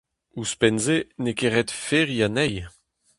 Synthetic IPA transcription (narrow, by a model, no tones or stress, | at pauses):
uspɛnzenekeʁɛt̪feʁianɛj